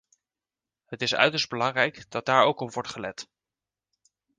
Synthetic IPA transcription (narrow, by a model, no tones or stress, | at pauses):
ɦətɪsœ̰ɥtəɹszd̚bəlɑŋrɛjkd̥ɑd̚d̥aːɹowkɔpʋɔɹtχəlɛ̰t